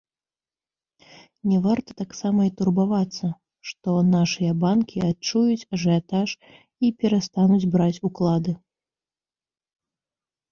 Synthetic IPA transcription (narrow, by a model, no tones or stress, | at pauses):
nʲɛvart̪ɐt̪aksamɐit̪urbavat̪sːɐ | ʂt̪ɔnaʂɨjɐbankʲʰiat͡ʂujut͡sʲaʐɛat̪aʂ | ipʲɛɾast̪anud͡zʲbɾat͡sʲuklˠad̪ɨ